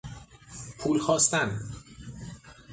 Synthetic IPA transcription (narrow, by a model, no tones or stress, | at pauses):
pʰuːlxɒːst̪æn